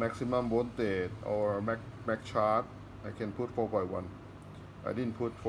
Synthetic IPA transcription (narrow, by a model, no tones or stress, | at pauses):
mɛk̚simambont̪eːt̪̚ʔɔ̰wmɛk̚mɛk̚t͡ɕʰaːt̪̚ | ajkʰenpʰuːt̪̚fɔːbɔjwan | ʔa̰dinpʰuːt̪̚f